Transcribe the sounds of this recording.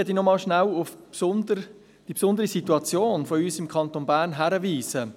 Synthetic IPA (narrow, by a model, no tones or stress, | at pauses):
ɛdinɔmɑːlʃnælʊfpsʊndə | d̥ipsʊnd̪əʁisituɑt͡sjoːnfɔyːsɪmkʰɑnt̪onbæːʁnɦæɾəviːzə